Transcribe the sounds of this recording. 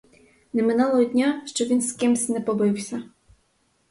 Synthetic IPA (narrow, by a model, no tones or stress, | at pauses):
nɛmɪnulˠɔɦɔd̪ʲnʲaʃt͡ʃɔʋʲinskɪmsʲnɛpɔbɪwsʲɐ